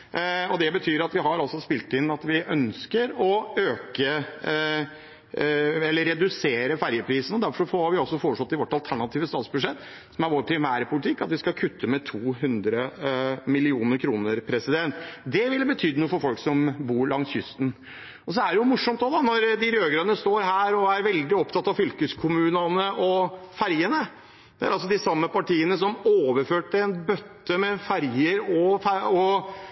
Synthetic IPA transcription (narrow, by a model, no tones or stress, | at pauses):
ɔd̪ɛbət̪ʰyːɾɑt̪ʋɪɦɑɾɔsɔspɪlt̪ɪnːɑt̪ʋɪʔœnskəɾɔøːkə | ɛlːəɾːɛd̪ʉseːɾəfæɾjəpʰɾiːsənɔd̪æɾfɔʂɔfɔɑɾʋɪɔsːɔfoːɾəʂɔt̪ːɪʋɔʈːɑlt̪ʰæɳɑt̪ʰiːʋəst̪ɑːt̪sbʉd̪ʂɛt̪ː | sɔmæɾʋoːɾpʰɾɪmæːɾəpʰʊlɪt̪ʰɪkːɑt̪ʋɪskɑkʰʉt̪ʰːəmɛt̪ʰuːɦʉnd̪ɾəmɪlɪuːnəɾkʰɾuːnəɾpʰɾɛsɪd̪ɛnt̪d̪ɛʋɪlbət̪ʰyːd̪ənuːəfɔɾfɔlksɔmbuːɾɭɑŋsjʏst̪n̩ | ɔs̬ɔæɖɛjʊmʊʂːɔmt̪̚d̪od̪ɑnɔɾd̪ɪɾøːɡɾɑd̪ənəst̪oːɾɦæːɾɔæɾʋɛld̪ɪɔpt̪ɑt̪ːɑʋfʏlkəskʰʊmʉːnɑnəʔɔfæɾjənə | d̪ɛæɾɑlsɔd̪ɪsɑmːəpɑʈiːənəsɔmoːʋəɾføːʈːɪɛnbœt̪ːəmɛfæɾjəɾɔfæɔ